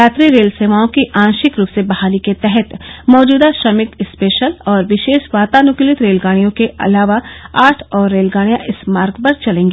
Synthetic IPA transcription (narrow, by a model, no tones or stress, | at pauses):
jaːt̪ɾiɾeːlseːʋaːõkiʔãːnʃɪkɾuːpsebɐɦaːliket̪ɛɦɛt̪mɔːd͡ʒuːd̪aʃɐmɪt̪ɪspeːʃəlɔːɾʋɪʃeːʃʋaːt̪aːnʊklɪt̪ɾeːlɡaːɽ̃ijõkeʔɐ̰laːʋaaːʈʰɔːɾːeːlɡaːɽ̃ijãʔɪsmaːɾɡpɐɾt͡ʃɐlẽːŋɡeː